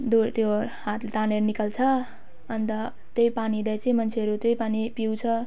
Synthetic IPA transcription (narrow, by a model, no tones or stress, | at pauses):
d̪ut̪johat̪lt̪aneɾnikalt͡sʰʌ | ʌnt̪ʌ | t̪jojpanilajt͡sʌĩmʌnt͡sʰeɦʌɾut̪jojpanipiwt͡sʰʌ